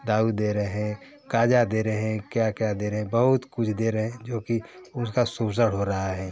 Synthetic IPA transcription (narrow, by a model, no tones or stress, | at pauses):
d̪aːud̪eːɾəɦɛ̃ | kaːd͡ʒad̪eːɾəɦɛ̃kjakjad̪eːɾəɦɛ̃bɐɦʊt̪kʊt͡ʃʰd̪eːɾəɦɛ̃d͡ʒoːkiʊskasuːbs̬əɽɦoɾɐɦaɦɛː